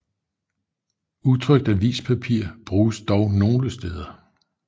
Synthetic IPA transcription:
ut͡sʰʁœɡ̥̚d̥æʋḭːspʰæpʰiɐ̰b̥ʁuːsd̥ɒʊno̝ːləsd̥eð̞ˠɐ

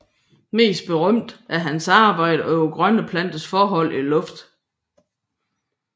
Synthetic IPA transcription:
me̝̰ːsd̥̚b̥e̝ʁœm̰d̥ʔæɐɦænsɑ̈ːb̥ɑ̈ɪ̰d̥əɒ̽joɡ̥ʁɶnəpʰlæn̰d̥əsfɒːɦɒ̽l̰ʔilɔ̽fd̥

